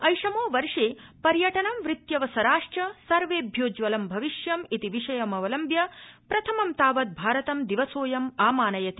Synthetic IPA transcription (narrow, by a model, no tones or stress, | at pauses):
ɐjʂɐmoːʋɐɾʂeːpɐɾjɐʈɐnɐmʋɾit̪jɐʋɐsɐɾaːʂʈɐsɐɾʋeːbʱjoːd͡ʒʋɐlɐmbʱɐʋiʃjɐmit̪iʋiʂɐjɐmɐʋɐlɐmbjɐpɾɐt̪ʰɐmɐmt̪aːʋɐt̪̚bʱaːɾɐt̪ɐmd̪iʋɐsoːjɐmaːmaːnɐjɐt̪i